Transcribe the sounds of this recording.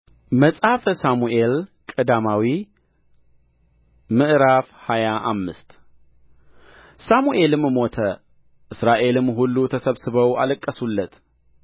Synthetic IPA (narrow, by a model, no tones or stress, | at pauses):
məsʼhafəsamuʔe̞lkʼɨd̪amawi | mɨʔɾafhajaʔamːɨst̪ | samuʔe̞lɨmmo̞t̪ʰə | ʔɨsɾaʔe̞lɨmɦulːut̪ʰəsəβsɨβəwa̰ləkʼːəsulːət̪